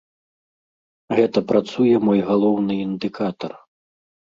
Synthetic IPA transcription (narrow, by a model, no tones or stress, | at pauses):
ɣɛt̪ɐpɾat̪sujɛmɔjɣalˠɔwnɨind̪ɨkat̪ɐr